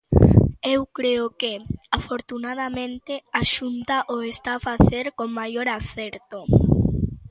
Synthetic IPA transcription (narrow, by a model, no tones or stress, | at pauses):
ewkɾeokeafoɾt̪unað̞amẽnt̪eaʃunt̪aʔoest̪afaθeɾkoŋmajoɾaθeɾt̪o